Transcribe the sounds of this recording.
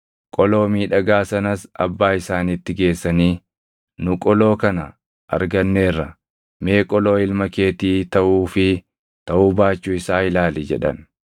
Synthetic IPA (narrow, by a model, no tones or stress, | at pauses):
kʼɔlo̞ːmiːᶑɐɡaːsɐnɐsɐ̰bːaːɪsaːnit̪ːɪɡe̞ːsːɐniː | nʊkʼɔlo̞ːkɐnɐ | ʔɐ̰ɾɡɐnːe̞ːrːɐ | me̞ːkʼɔlo̞ːɪlmɐke̞ːt̪iːt̪ɐʔuːfɪ | t̪ɐʔuːbaːt͡ʃːuːɪsaːɪlaːlid͡ʒɛ̰ᶑɐ̰n